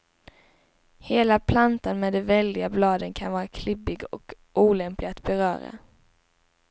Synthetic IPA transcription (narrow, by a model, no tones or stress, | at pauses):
heːlapʰlant̪anmɛːd̪ɛvɛld̪ɪɡablɑːd̪ənkʰanvɑːɾakʰlɪbɪɡɔk | ʔuːlɛmplɪɡat̪bɛɾœ̰ːɾa̰